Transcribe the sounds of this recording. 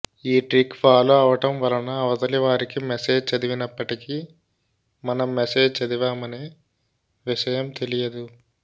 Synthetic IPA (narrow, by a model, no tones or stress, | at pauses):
iːʈɾikfaːloɐʋɐʈɐmʋɐlɐnɐːʋɐd̪ɐliʋaːɾikimeseːd͡ʒt͡ʃɐd̪iʋinɐpːɐʈiki | mɐnɐmːeseːd͡ʒt͡ʃɐd̪iʋaːmɐneː | ʋiʃɐjɐmt̪e̞lijɐd̪u